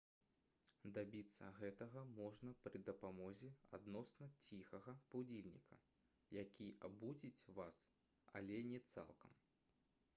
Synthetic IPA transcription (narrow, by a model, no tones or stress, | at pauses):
d̪abʲit̪sːɐ̰ɣɛt̪ɐɣɐmɔʐnɐpɾɨd̪ɐpamɔzʲɛa̰d̪nɔsnɐt͡sʲixɐɣɐpawd͡zʲilʲnʲḭkʰɐ̰ | jakʲia̰bud͡zʲit͡sʲvas | a̰lʲɛnʲɛt̪sa̰lˠkɐ̰m